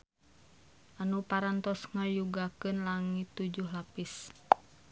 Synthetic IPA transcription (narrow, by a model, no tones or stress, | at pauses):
ʔanupaɾant̪ɔsŋəjuɡakɨnlaŋit̪ːud͡ʒuhlapis